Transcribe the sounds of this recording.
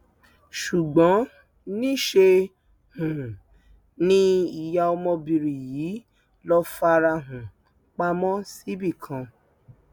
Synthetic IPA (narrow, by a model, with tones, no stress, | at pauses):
ʃu˨ɡ͡bɔ̃˨˦ | nĩ˦ʃe˧ | hũ˨ | nĩ˦i˨ja˧ɔ˧mɔ̃˧bi˧ɾi˨jiː˨˦ | lɔ˦fa˧ɾa˧ɦũ˨ | k͡pa˦mɔ̃˦si˦bi˦˨kʰã˧